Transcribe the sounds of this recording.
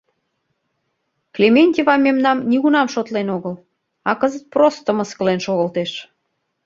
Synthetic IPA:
klʲemenʲt̪ʲivɑmʲemnɑmnʲiɣunɑmʃot̪lenoɣəl | ɑkəzət̪̚prost̪ə̆məskəlenʃoɣəlt̪eʃ

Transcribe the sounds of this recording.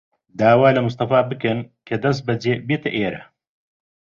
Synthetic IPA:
d̪aːwaːlɐmʊst̪ɐfaːbɨkɨnkʰɐd̪ɐs̬t̪̚bɐd͡ʒeːbeːt̪ɐʔeːɾɐ̰

